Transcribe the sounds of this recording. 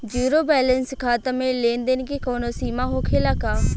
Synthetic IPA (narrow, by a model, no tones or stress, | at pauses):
d͡ʒuːɾoːbɛːlənskʰaːt̪əmẽːlẽːnd̪enkikoːnoːsiːmaːɦoːkʰeːlaːkaː